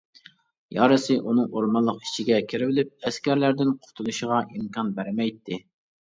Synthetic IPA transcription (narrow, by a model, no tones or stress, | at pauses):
jɑ̰ːɾɨsɨʔunɨŋoɾmɑnlˠːəqi̥t͡ʃʰiɡʲɛkʲʰiɾɪvɪlɪp̚ɛskʲæɾlæɾd̪ɪnqʰʊ̥t̪ʰulˠuʃəʁɑʔimkɑnbæɾɪmɛjt̪ʰːɪ